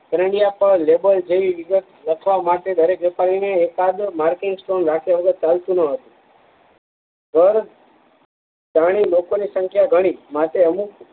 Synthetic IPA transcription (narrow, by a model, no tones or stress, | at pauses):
kɾəɳijapəɾlebəld͡ʒeʋiʋɪɡət̪ləkʰʋamaʈed̪əɾekʋepaɾineːkad̪maɾkɪŋɡsʈonɾakʰjaʋəɡət̪̚t͡ʃalt̪ũnəɦət̪ũ̥ | ɡʱəɾ | d͡ʒaɽ̃ilokonisə̃ŋkʰjaɡʱəɽ̃imat̪eəmuk